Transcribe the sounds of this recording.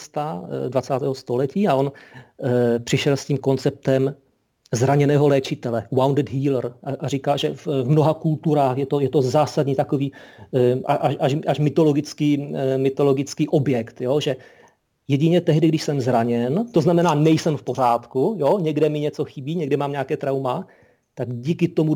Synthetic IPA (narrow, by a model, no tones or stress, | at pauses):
st̪advat͡saːt̪ɛːɦost̪o̞lɛciːao̞n | pr̥ɪʃɛlsciːmko̞nt͡sɛp̚t̪ɛm | zɾaɲɛnɛːɦo̞lɛːt͡ʃɪt̪ɛlɛwawndɛd̪ɦiːlrʔaʔarikalʒɛvvmno̞ɦakult̪uɾaːxjɛt̪o̞jɛt̪o̞zaːsadɲiːt̪akoviː | ʔaʔaʃʔaʃʔaʃmɪt̪o̞lo̞ɡɪt͡skiːmɪt̪o̞lo̞ɡɪt͡skiːʔo̞bjɛkt̪joʒɛ | jɛɟɪɲɛt̪ɛɦdɪɡdɪʃsɛmzɾaɲɛnt̪o̞znamɛnaːnɛjsɛmfpo̞r̝aːt̪kujoɲɛɡdɛmɪɲɛt͡so̞xɪbiːɲɛɡdɛmaːmɲakɛːt̪ɾawma | t̪aɡɟiːkɪt̪omu